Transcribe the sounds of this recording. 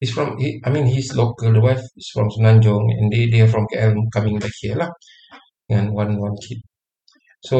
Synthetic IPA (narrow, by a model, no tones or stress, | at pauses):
isfɹɔ̃mhiajmĩnhislokəldəwajfisfɹɔ̃msunãnd͡ʒɔ̃ŋɛ̰̃ndedɛfɹɔ̃mkɛɛl̃kamĩŋbɛk̚hiəla | ŋɔ̃nwãnwãnkʰit̚ | so